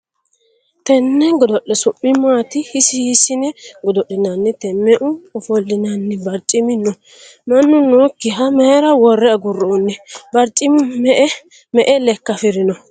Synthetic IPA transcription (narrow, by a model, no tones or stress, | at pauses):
t̪ɛnːɛɡɔd̪ɔɗːɛsʊpːɪmaːt̪ɪhɪsɪhɪsɪnɛɡɔd̪ɔɗːɪnanːɛt̪ɛmːɛʔʊɔfɔlːɪnanːɛbɐɾt͡ʃʼːɪmɪnːɔ | mɐnːʊnoːkːɪɦɐmɛɾɐwɔrːɛɐɡʊrːɔːnːɛbɐɾt͡ʃʼːɪmɪmɛʔɛ | mɛʔɛlɛkːɐfɪɾɪnɔ